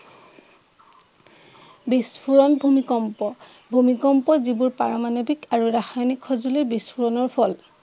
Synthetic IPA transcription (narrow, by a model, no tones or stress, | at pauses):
bispʰuɹɔnbʱumikɔmpɔ | bʱumikɔmpɔzibuɹpaɹɔmanobikaɹuɹaxajnikʰːɔzulibispuɹɔnɔɹpʰɔl